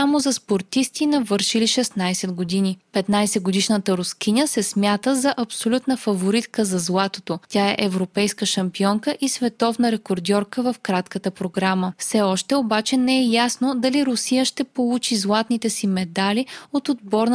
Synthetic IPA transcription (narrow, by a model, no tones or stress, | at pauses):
amozɐspoɾt̪ist̪inɐvɤɾʃiliʃɛsnajsɛd̪ɡod̪inipɛt̪najsɛɡod̪iʃnət̪əɾoskʲinʲəsɛsmʲjat̪əzɐʔɐpsolʲut̪nəfɐvoɾit̪kəzɐzlˠat̪ot̪otʲaɛʔɛvɾopɛjskəʃɐmpiɔŋkəʔisvɛt̪ɔvnəɾɛkoɾd̪ʲɔɾkəvɐfkɾat̪kət̪əpɾoɡɾaməfsɛɔʃt̪ɛobat͡ʃɛnɛɛjasnod̪ɐliɾʊsijəʃt̪ɛpolˠut͡ʃizlˠat̪nit̪ɛsimɛd̪aliot̪od̪̚bɔɾn